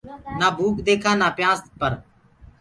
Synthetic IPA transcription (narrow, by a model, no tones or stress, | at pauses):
naːbʱuːkd̪eːkʰãːnaːpjãːspəɾ